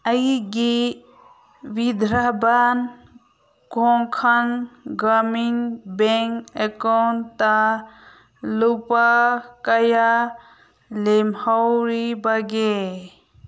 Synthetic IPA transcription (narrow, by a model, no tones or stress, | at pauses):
əjɡi | ʋid̪ʱɾaban | kõŋkʰənɡəminbeŋkekont̪a | lupakəja | lemhɔwɾibəɡe